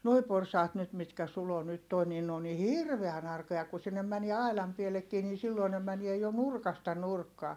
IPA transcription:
noi porsɑːt nyt mitkæ sulo nyt toi niːn ne on ni hirʋeæn ɑrkojɑ ku sinːem mænie ɑilɑm pielːekːiː ni silːoi ne mænie jo nurkɑstɑ nurkːɑː

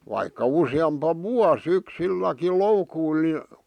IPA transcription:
ʋɑikːɑ usiɑmpɑ ʋuɑs yksilːækil loukuil ni

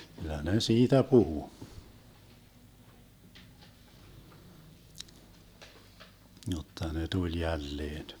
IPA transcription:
kylˑæ ne siːtæ puhu jotːɑ ne tulʲ jælːeːn

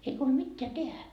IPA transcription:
ei huol mitːeæ tehæ

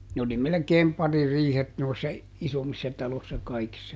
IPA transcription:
ne oli melekeːm pɑririːhet noisːɑ isomːisːɑ tɑlosːɑ kɑikisːɑ

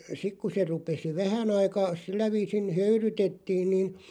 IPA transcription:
sik ku se rupesi ʋæhæn ɑikɑˑ silːæ ʋiːsin høyrytetːiːn niˑn

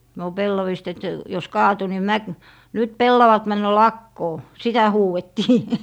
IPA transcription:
no pelːɑʋistɑ et jos kɑːtu ni mæ nyt pelːɑʋɑt mænːø lɑkːoː sitæ huːw̆etːiː

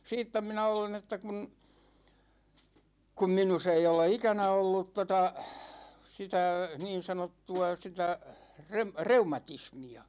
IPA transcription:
siːtːæ minæ olen etːæ kun kum minus ei ole ikænæ olːut totɑ sitæ niːn̞sɑnotːuɑ sitæ rem reumɑtismiɑ

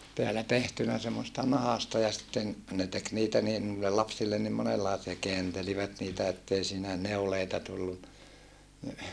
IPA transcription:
teælæ tehtynæ semːosestɑ nɑhɑstɑ jɑ sĭtːen ne tek niːtæ niːn nuilːel lɑpsilːen nim monelːɑˑisiɑ keænteliʋæt niːtæ etːei siːnæ neuleitɑ tulːunɑ ni

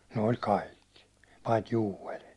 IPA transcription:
ne olʲ kɑikːi pɑit juːwel

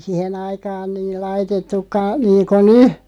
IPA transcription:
sihen ɑikɑːn niːl lɑitetːukːɑ niːnko ny

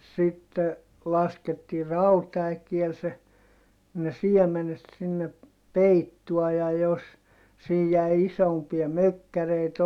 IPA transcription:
sitːe lɑsketːiː rɑutɑækiel se ne siɛmenet sinːe peitːuɔ jɑ jos siːj jæi isompiɑ møkːæreit

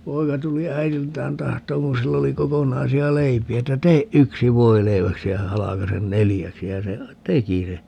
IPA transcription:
poikɑ tuli æijiltæːn tɑhtoːŋ kun silː oli kokonːɑisiɑ leipiæ etːæ teːʔ ʔyksi ʋoileiʋæksi jɑ hɑlɑkɑsen nelijæksi jɑ se teki se

